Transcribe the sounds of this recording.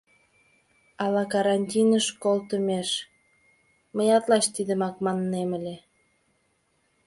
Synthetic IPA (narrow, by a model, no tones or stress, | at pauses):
ɑlɑkɑɾɑnʲtʲinəʃkolt̪əmeʃ | məjɑt̪lɑʃt̪id̪əmɑkmɑnːeməlʲe